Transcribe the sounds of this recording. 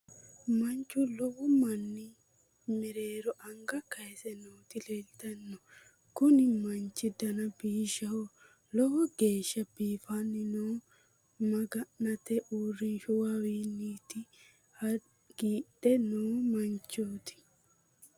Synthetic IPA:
mɐnt͡ʃːʊlɔwʊmɐnːɪ | mɛɾeːɾɔʔɐŋɡɐkɐsɛnoːt̪ɪlelt̪ɐnːɔ | kʊnɪmɐnt͡ʃːɪd̪ɐnɐbiːʃːɐhɔ | lɔhɔɡe̞ːʃːɐbiːfanːɪnoː | mɐɡɐnɐt̪ɛʔuːrːɪnʃʊwawiːnːiːt̪ɪ | hɐ | ɡ̥iːɗɛnoːmɐnt͡ʃːoːt̪ɪ̥

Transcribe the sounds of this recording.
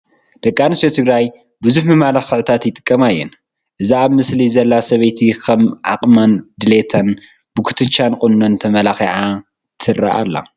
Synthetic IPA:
d̪̥ɐkʼːanɨsot̪ʰɨɡɾaj | bɨzuħmɨmalaxɨʕɨt̪ʰat̪jɪt̪ʼɨ̥kʼːɐmajːɛ̰n | ʔɨziaβmɨslizɐlːasɐβejt̪ʰikʰɐmʕa̰qʼmand̪ɨlet̪ʰan | b̥ɨkʰɨ̥t̪ʰɨt͡ʃːankʼʊnːont̪ʰɐmɐlaxiʕa | t̪ʰɨra̰ʔa̰lːa̰

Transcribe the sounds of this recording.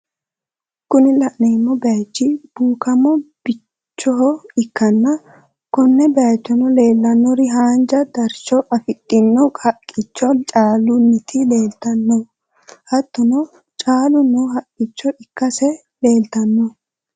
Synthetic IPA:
kʊnɪlɐʔneːmːɔbɛat͡ʃːɪb̥uːkɐmɔb̥ɪ | t͡ʃːɔɦɔɪkːɐnːɐ | kɔnːɛbɛɐt͡ʃːɔnɔle̞ːlːɐnːɔɾɪɦaːnd͡ʒɐd̪ɐɾʃɔʔɐfɪkʼːɪnːɔkʰʼɐkʼːɪt͡ʃːɔnt͡ʃʼaːlʊnːɪt̪ʰɪleːlt̪ɐnːɔ | hɐt̪ːɔnɔ | t͡ʃʼaːlʊnːɔɦɐkʼːɪt͡ʃːɔɪkːɐsɛ | le̞ːlt̪ɐnːɔ

